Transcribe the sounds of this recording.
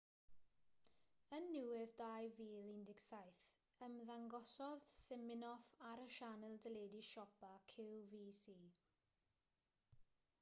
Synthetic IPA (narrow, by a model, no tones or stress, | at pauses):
ənːɪwɪðd̥ajviːlindɪɡsajθ | əmðaŋɡɔsɔð̥sɪmɪnɔfaɾəʃanəlˠdəleːdiʃɔpakʰɪlˠviːsiː